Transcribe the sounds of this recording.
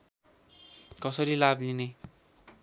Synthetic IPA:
kʌsʌɾilabline

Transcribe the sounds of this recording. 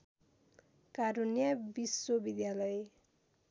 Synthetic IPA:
kaɾonijabiswobid̪jalʌj

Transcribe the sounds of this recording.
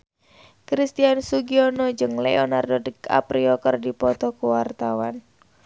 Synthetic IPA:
kɾist̪iansuɡiɔnɔd͡ʒɨŋlḛɔnardodəkʰa̰pɾiɔkərdipɔt̪ɔkuwart̪awan

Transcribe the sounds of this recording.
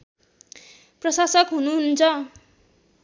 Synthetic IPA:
prʌsasʌkɦunuɦunt͡sʰʌ

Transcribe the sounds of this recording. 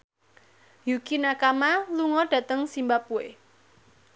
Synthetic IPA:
jukinakamaluŋɔɖ̥ä̤t̪əŋsimbapue

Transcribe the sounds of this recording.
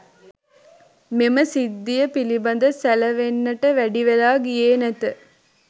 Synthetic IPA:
meməsid̪ːijəpilibɐnd̪əsælɐʋenːɐʈəʋæɖiʋelaːɡijeːnæt̪ə

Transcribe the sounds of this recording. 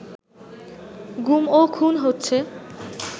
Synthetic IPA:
ɡumokʰunɦotːɕʰe

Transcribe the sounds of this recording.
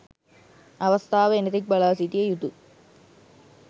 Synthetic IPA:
ɐʋɐst̪ʰaːʋɐenet̪ik̚bɐɭaːsit̪ijejud̪u

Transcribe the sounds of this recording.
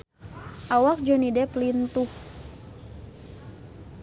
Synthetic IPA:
ʔawak̚d͡ʒɔnidɛplint̪uh

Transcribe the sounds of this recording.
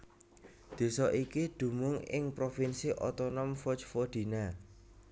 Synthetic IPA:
d̪̥e̤sɔʔikid̪̥ṳmʊŋɪ̰ŋpɾofinsiʔɔ̰t̪ɔnɔmfɔt͡ʃfɔd̥i̤na

